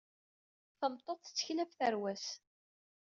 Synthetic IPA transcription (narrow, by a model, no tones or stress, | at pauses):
θəmt̪ˤːoθˤθə̥t͡sːə̥çilæfθæɾwæs